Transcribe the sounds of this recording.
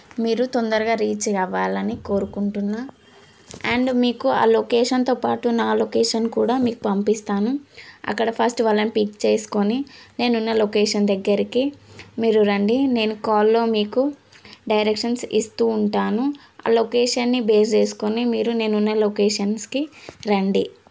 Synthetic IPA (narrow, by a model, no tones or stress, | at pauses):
miːɾut̪ond̪ɐɾɐɡaːɾiːt͡ʃɾɐʋaːlɐniko̞ːɾukuɳʈunːa | ɐɳɖmiːkua̰ːlokeːʂɐnt̪o̞ːpaːʈunaːlokeːʂɐnkuːɽaːmiːku̥pɐmpist̪aːnuɐ̰kːɐɽɐpʰɐsʈʋɐlːɐnipikt͡ʃeːsu̥ko̞nine̞ːnunːɐlokeːʂɐnd̪ɐɡːɐɾikimiːɾuɾɐɳɖine̞ːnukaːlːo̞ːmiːkuɖɐjɾekʂɐnsist̪uːɳʈaːnu | a̰ːlokeːʂɐnːibe̞ːst͡ʃe̞ːsu̥konimiːɾune̞ːnunːɐlokeːʂɐnskiɾɐɳɖi